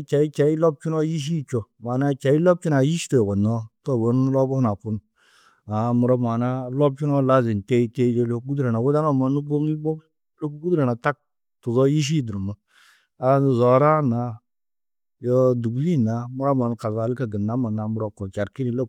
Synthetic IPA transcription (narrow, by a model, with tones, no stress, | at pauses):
t͡ʃa˨i˦t͡ʃa˨i˦lɔ˦b̚t͡ʃu˦no˦ji˦ʃ̬i˦˨t͡ʃo˨ma˨na˦t͡ʃa˨i˦lɔ˦b̚t͡ʃi˦na˨ji˦ʃto˨ko˨nɔ˦to˦˨bo˦n˦lɔ˦bɔ˦na˨pu˦n | a˨mu˨ɾo˦ma˨na˦lɔ˦b̚t͡ʃu˦nɔ˦la˦zi˨n˨te˦i˦te˦d͡ʒe˦lo˦kɡu˦dɾa˨na˨wu˦da˦no˦˨ma˨nu˦bo˦mli˦bo˦ | lo˦ku˦ɡu˦du˦ɾa˨na˨ta˦k̚ | tu˨zɔ˦ji˦ʃ̬i˦du˨ɾu˨mə˨ | a˨˦nu˨zɔ˨˦ɾa˦na˨ | jɔ˦du˨ɡli˦˨na˨mu˦ɾa˦ma˨n˨ka˨za˨li˦ka˨ɡə˨na˨˦ma˨na˨mu˨ɾo˦ko˨t͡ʃa˨ɾki˦ni˨lo˦